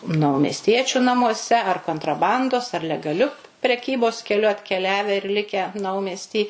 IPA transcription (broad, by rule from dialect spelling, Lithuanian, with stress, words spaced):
nɐʊmʲɛsʲˈtʲiɛt͡ʃʲʊ nɐmuɔˈsʲɛ ɐr koːntrɐˈbɐndoːs ɐr lʲɛɡɐˈlʲʊ pʲrʲɛˈkʲiːboːs kʲɛˈlʲʊ ɐtʲkʲɛˈlʲæːʋʲɛ ɪr ˈlʲɪkʲæː ˈnɐʊmʲɛsʲtʲiː